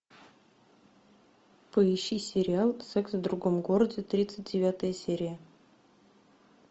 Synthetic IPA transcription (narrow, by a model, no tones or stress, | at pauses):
pɨiɕisʲeɾʲɪalˠsɛksvd̪ɾuɡomɡoɾədʲɪt̪ɾʲit̪sɨt̚ʲdʲevʲat̪əjəsʲeɾʲija